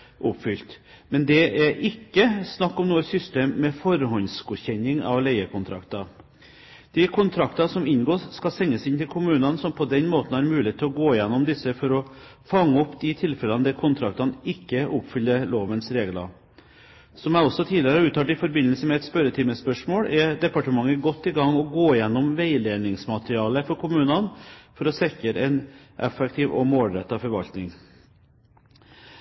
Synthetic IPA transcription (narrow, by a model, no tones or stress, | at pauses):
ʔʊpːfʏlt̪ | mɛnd̪ɛæɾɪkːəsnɑkːɔmnuːəsʏst̪eːmːɛfɔɾhɔnsɡʊçɛɲːɪŋɑ̰ʋlæɪəkʰʊnt̪ʰɾɑ̰kt̪ɑ | d̪̥ɪkʰʊnt̪ʰɾɑkt̪ɑsɔmɪnɡoːsskɑlsɛŋːəsɪnt̪ʰɪlkʰʊmʉːnɑnsɔmpʰɔd̪ɛnmoːt̪n̩hɑɾmʉːleːt̪ʰːɪlɔɡoːɪjɛnːɔmd̪ɪsːəfɔɾɔ | fɑŋːəɔpːd̪ɪt̪ʰɪlfɛlɑnd̪ɛkʰʊnt̪ʰɾɑk̚t̪ɑnɪkːəʔʊpfʏlːəloːʋənsɾeːɡlɑ̰ | sɔmæɔsːɔt̪ʰiːd̪ɪəɾəɑɾʉːt̪ːɑʈɪfɔɾbɪnːəlsəmɛɛt̪spœɾət̪ʰɪməspœʂmoːɽɛɖ̪ɛpɑʈəmɑŋːəɡɔt̪ːɪɡɑŋːɔɡoːɪjɛnːɔmʋæɪleːnɪŋsmɑt̪ɾɪɑːləfɔɾkʰʊmʉːnɑnfɔɾɔsɛkəɾɛɪn | ʔɛ̰fɛkt̪ʰɪːʋɔ̰moːlɾɛt̪ːɑfɔɾʋɑ̰lt̪nɪŋ